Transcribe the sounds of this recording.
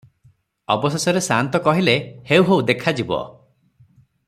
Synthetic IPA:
ɔbɔsesɔɾesant̪ɔkɔɦilehewɦeuwd̪ekʰad͡ʒibɔ̰

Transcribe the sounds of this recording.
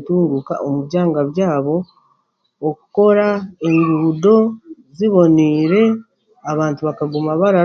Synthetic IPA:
tuːŋɡuka̰ʔomuβjaːŋɡaβjaːβo̞ː | kuko̞ɾae̞ŋɡuːdo̞ziβo̞niːɾe̞ | aβaːntuβakaɡumaβaɾa

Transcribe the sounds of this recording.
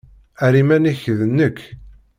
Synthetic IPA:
æɾimæniçðənːəkː

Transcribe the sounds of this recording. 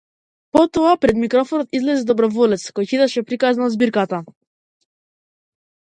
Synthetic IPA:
pɔt̪ɔapɾɛd̪mikɾɔfɔnɔt̪izlɛzid̪ɔbɾɔvɔlɛt̪skɔjcid̪aʃɛpɾikaznaɔzbiɾkat̪a

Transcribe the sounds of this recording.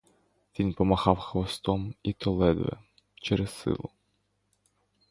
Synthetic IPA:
ʋʲinpɔmɐhɑwxʋɐst̪ɔmit̪ɔlˠɛd̪ʋɛ̰ | t͡ʃɛɾɛssɪ̰lˠʊ

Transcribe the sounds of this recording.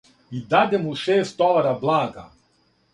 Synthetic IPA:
id̪ad̪ʲɛmuʃeːst̪ɔlˠaɾablˠaːɡa̰

